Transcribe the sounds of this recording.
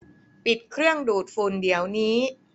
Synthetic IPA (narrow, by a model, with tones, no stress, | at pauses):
pi˨˩t̪̚kʰɾɯ˥˩əŋduː˨˩t̪̚fu˧˩ndi˩˦əwniː˦˥